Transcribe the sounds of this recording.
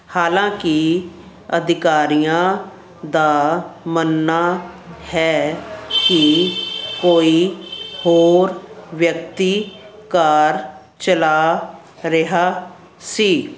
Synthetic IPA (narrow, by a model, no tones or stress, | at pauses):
haːlãːkɪ | ə̰d̪ʱɪkaːɾijãː | d̪aːmənːaːhɛːki | koːiːhoːɾʋjəkt̪iː | kaɾ | t͡ʃəlaː | ɾɪɦaː | siː